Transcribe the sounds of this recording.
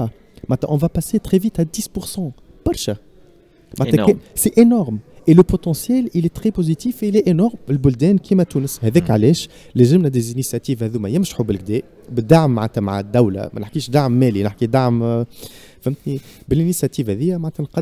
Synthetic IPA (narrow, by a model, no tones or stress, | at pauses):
maʕt̪æʔɔ̃vapaset̪ʁɛvit̪æd̪iːspʊʁsɑ̃ | b̥ɑɾˤʃæ | maʕɛsɛʔenɔʁmʔeləpot̪ɑ̃sjɛlilɛt̪χɛpozit̪iːfelɛʔenɔʁmɪlbʊld̪ɛːnkʰimɛt̪uːnəshɛðɛːkʕalɛːʃ | læʒɪmnɛd̪ezinisjat̪iːvhɛðumæjɪmʃḁħubɪlɡ̚d̪ɛː | bɪd̪aʕmːaʕnt̪æmaʕa̰d̪ːæwlæ̰mɛ̰nɪħkiːʃd̪aʕmːɛːlinɪħkid̪aʕm | fæmt̪nibɪlinisjat̪iːvhɛðɪjːæmaʕt̪ænqɑ